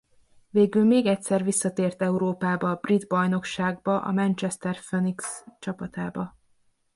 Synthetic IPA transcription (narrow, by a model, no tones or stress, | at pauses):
veːɡylmeːɡɛcsɛrvisːɒt̪eːrt̪ɛuɾoːpaːbɒbrid̪bɒjn̪o̞kʃaːɡbɒʔɒ̰mɛnt͡ʃɛst̪ɛrfønikst͡ʃɒpɒt̪aːbɒ